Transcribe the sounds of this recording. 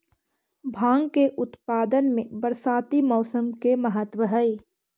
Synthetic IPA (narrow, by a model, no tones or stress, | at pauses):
bʱãːŋɡkeʔʊt̪paːd̪ənmẽbəɾsaːt̪imɔːsəmkeməɦət̪wəɦəi